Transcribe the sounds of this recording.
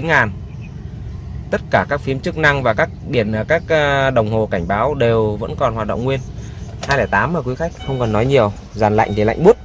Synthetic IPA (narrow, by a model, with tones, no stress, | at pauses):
i˨˦nŋaː˨˩n | t̪ə˦˥t̚kaː˧˩kaː˦˥k̚fi˨˦əmt͡ɕɨ˦˥k̚na˧ŋvaː˨˩kaː˦˥k̚ɗi˧˩ənʔəː˧˩kaː˦˥k̚ːɗə˨˩wŋ͡mɦo˨˩ka˧˩jŋ̟ɓaː˨˦wɗe˨˩wvə̰˧˥nkɔ˨˩nhwaː˨t̚ɗə̰˧˨wŋ͡mŋwi˧ən | haː˧jlɛː˧˩t̪aː˨˦mʔəː˨˩kwi˨˦xa˦˥k̟̚xə˧wŋ͡mkə˨˩nːɔ˨˦jɲi˨˩əw | zaː˨˩nla̰˧˨jŋ̟ve˨˩la̰˧jŋ̟ɓu˦˥ət̚